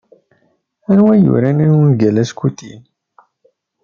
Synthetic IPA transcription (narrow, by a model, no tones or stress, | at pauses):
æɾwæjṵɾænænənɡælæskut̪ḭn